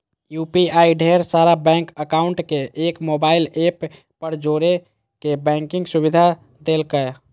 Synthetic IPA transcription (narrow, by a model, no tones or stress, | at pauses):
jupiaiɖʱeɾsaɾabɛ̃ŋkəkauɳʈkeʔːkmobailepː | əɾd͡ʒoɾe | kebɛ̃ŋkĩŋɡsubid̪ʱa | d̪elkɛ